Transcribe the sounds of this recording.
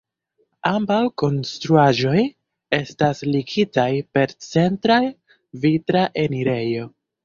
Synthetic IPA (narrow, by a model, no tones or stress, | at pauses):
ambawko̞nstɾuaʒo̞j | e̞stasliɡitajpe̞ɾt͡se̞ntɾaj | vitɾaʔe̞niɾe̞jo̞